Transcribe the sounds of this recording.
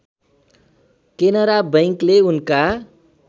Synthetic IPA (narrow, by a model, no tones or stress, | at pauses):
kenʌɾabʌjŋkleunka